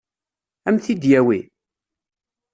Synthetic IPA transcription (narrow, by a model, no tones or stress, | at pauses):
æmθid̪jæwi